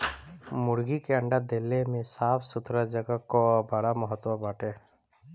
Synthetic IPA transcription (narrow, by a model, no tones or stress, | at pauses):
mʊɾɡikeə̃ɳɖad̪elːemẽsaːpʰsʊt̪ɾəd͡ʒəɡəkobəɽaməɦət̪wabaːʈeː